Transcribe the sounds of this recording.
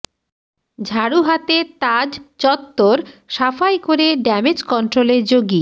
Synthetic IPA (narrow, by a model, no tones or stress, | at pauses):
d͡ʑʱaɽuɦat̪et̪ad͡ʑt͡ɕɔt̪ːoɾʃafajkoɾeɖɛmed͡ʑkɔnʈɾoleɾd͡ʑoɡi